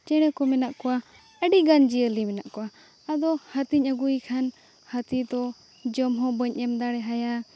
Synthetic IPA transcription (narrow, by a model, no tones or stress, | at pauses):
t͡ʃɛɽ̃ɛkɔmɛnaʔkɔwa | əɖiɡand͡ʒiəlimɛnaʔkɔwa | ad̪ɔhət̪iɲəɡujkʰan | hət̪it̪ɔ | d͡ʒɔmɦɔ̃bəɲʔɛmd̪aɽɛɦaja